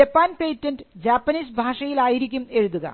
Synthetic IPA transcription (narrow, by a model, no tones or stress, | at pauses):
ɐpːaːnpeːtːɐnɖɨd͡ʑaːpːɐniːsbʱaːʂɐjilaːjiɾikʲːume̞ɻuðuɣɐ̰